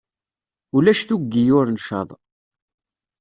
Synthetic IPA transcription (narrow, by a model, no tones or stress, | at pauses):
ulæʃθuɡːijʊɾnʃɑ̰ðˤ